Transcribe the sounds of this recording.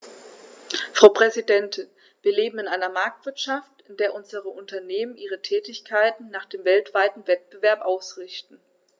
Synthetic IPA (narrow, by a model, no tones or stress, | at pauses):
fʁ̥aʊpʁ̥ɛzidɛntʰɪn | viːɐleːbm̩ɪnʔaɪnɐmaɐk̚tv̥ɪɐtʃaftɪndeːɐʔʊnzəʁəʔʊntɐneːmənʔiːʁ̞ətʰɛːtɪçkʰaɪtn̩naːχd̥eːmvɛltv̥aɪtn̩vɛt̚b̥əvɛɐpʔaʊsʁɪçtn̩